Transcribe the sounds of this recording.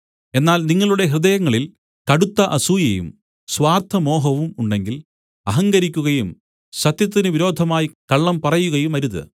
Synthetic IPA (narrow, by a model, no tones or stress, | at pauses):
e̞nːaːlniŋːɐɭuɽe̞ɦrɨd̪ɐjɐŋːɐɭil | kɐɽut̪ːɐʔɐsuːjɐjṵm | sʋaːrt̪ʰɐmo̞ːɦɐʋumuɳɖe̞ŋɡil | ɐɦɐŋɡɐɾikʲːuɣɐjum | sɐt̪jɐt̪̬ːinɨʋiɾo̞ːd̪ʱɐmaːjikɐɭːɐmpɐrɐjuɣɐjumɐɾuðɨ̰